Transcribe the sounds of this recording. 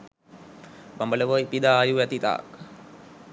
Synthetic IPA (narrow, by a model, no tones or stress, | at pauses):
bambələʋəipid̪aːjuʋɛt̪it̪a̰ːk